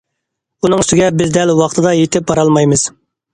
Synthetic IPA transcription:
unɨŋyst̪ɪɡʲɛbɪzd̪ɛlwɑχt̪ʰɨd̪ɑjet̪ʰɪp̚bɑɾɑlˠmɑjmɨz̥

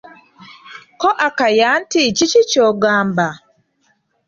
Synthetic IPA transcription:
kɔʔakajan̩tit͡ʃit͡ʃit͡ʃɔɡamba

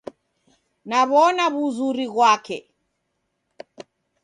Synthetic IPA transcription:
naβɔnaβuzuɾiɣwakɛ

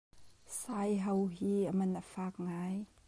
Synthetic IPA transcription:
sajɦɐwɦiːəmɐnəfaːk̚ŋaj

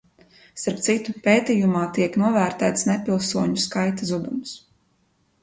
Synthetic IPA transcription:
saɾpt̪sit̪upeːt̪ijumaːt̪iɛknuɔvæːɾt̪æːt̪snɛpilˠsuɔɲuskajt̪azud̪ums

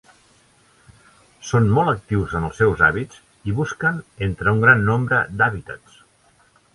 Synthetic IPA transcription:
sonmɔlˠək̚t̪iwzənəlˠsːɛwza̰βit͡s | iβuskənent̪ɾəuŋɡɾanːombɾəd̪aβit̪ət̪s

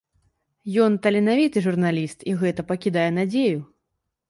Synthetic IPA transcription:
jɔnt̪ɐlʲinavʲit̪ɨʐurnalʲist̪iɣɛt̪ɐpɐkʲid̪ajɛnad͡zʲeju

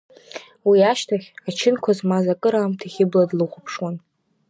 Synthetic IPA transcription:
wiaʃtʰaχʲat͡ʃʰɪnkʷʰazmazakʼɨɾaːmtʰiχʲɪbladlɨχʷʊpʰʂwan

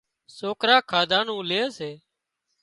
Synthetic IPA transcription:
soːkɾaːkʰaːd̪ʱãːnũːleːseː

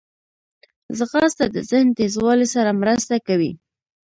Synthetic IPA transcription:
zɣɑst̪ad̪ə̰zɪhnt̪ezwɑlesaɾamɾəst̪akawḭ

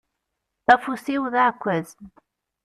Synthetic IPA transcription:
θæfusiwðaʕkʷːæz

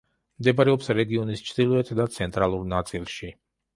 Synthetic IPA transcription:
md̪ɛbaɾɛɔpsɾɛɡiɔnist͡ʃʰd̪ilˠɔɛt̪ʰd̪at̪sʰɛnt̪ʼɾalˠuɾnat̪sʼilˠʃi

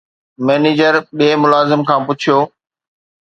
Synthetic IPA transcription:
mɛːneːd͡ʑəɾɓeːmʊlaːzɪmkʰãːpʊt͡ɕʰijoː

